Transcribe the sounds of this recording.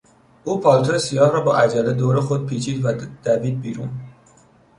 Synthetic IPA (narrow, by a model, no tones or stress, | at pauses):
ʔuːpʰɒːlt̪ʰoesijɒːhɾɒːbɒːʔæd͡ʒæled̪oːɾexod̪̚pʰiːt͡ʃʰiːd̪væd̪̥æviːd̪̚biːɾṵːn